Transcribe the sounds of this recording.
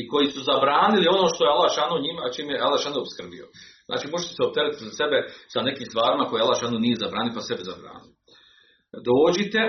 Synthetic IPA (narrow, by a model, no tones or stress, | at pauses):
iko̞jisuzabɾaːnilio̞no̞ːʃt̪o̞jealaʃanuɲimat͡ʃiːmjeʔalaʃanoopskr̩bḭo̰zna̰ːt͡ʃiːmo̞ʒet̪eseop̚t̪eɾit̪zase̞besane̞kiːmst̪ʋaːɾimako̞jealaʃanunijezabɾaːnilpase̞beza̰bɾa̰ːnio | d̪oːd͡ʒit̪e̞